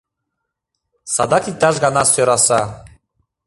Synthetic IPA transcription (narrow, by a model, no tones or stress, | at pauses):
sa̰d̪akit̪aʒɡanasøɾasa